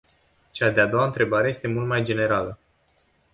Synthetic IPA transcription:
t͡ʃad̪e̞ad̪o̞waɨnt̪ɾe̞baɾe̞je̞st̪e̞mult̪majd͡ʒe̞ne̞ɾalə

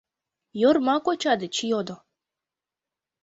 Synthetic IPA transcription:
jormɑkot͡ɕɑd̪ət͡ɕijod̪o

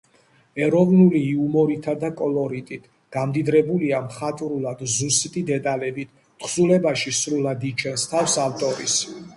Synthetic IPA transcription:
ɛɾɔvnuliːumɔɾit̪ʰad̪akʼɔlɔɾit̪ʼit̪ʰ | ɡ̥amd̪id̪ɾɛbuliamχat̪ʼɾulˠad̪zusit̪ʼid̪ɛt̪ʼalɛbit̪ʰ | χzulɛbaʃisɾulˠad̪it͡ʃʰɛnst̪ʰafsavt̪ʼɔɾḭs

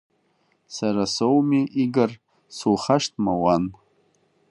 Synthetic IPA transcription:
saɾasowmiʔiɡar | sulχaʃt̚ʰʼmawan

